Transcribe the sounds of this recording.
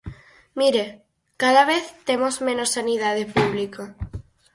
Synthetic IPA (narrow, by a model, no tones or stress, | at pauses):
miɾe | kaðaβeθt̪emozmẽnosːanið̞aðepuβ̞liko